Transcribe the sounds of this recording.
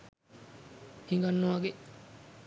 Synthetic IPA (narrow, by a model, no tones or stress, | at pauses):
hiŋɡanːuʋaɡe